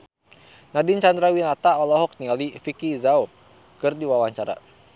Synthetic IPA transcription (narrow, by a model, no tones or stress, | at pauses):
nadint͡ʃand̪ɾawinat̪aɔlɔɦɔk̚nialifikizau | kɨrdiwawaɲt͡ʃaɾa̰